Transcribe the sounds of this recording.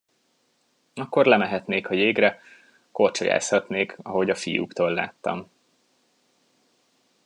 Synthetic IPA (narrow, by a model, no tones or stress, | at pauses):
ɒkːo̞rlɛmɛɦɛt̪neːkhɒjeːɡrɛ | ko̞rt͡ʃo̰ja̰ːshɒt̪neːkɒɦo̞ɟɒfijṵkt̪oːlːa̰ːt̪ːɒ̰m